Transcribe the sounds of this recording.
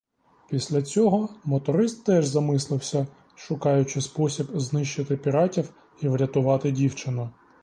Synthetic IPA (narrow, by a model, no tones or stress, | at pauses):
pʲisʲlʲɐt͡sʲɔɦɔmɔt̪ɔɾɪst̪ːɛʒzɐmɪslˠɪwsʲɐ | ʃʊkɑjʊt͡ʃɪspɔsʲibznɪʃt͡ʃɪt̪ɪpʲiɾɑtʲiw | iʋɾʲɐt̪ʊʋɑt̪ɪdʲiwt͡ʃɪnʊ